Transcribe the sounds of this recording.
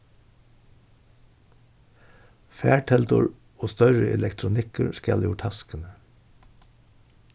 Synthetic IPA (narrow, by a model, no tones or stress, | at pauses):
fæːʈʰɛlt̪ʊ̰ɹ | oːst̪œɹəʔɛlɛkt̪ʰɾʊnɪkəɹskɛ̰ljuːʈʰɑskənə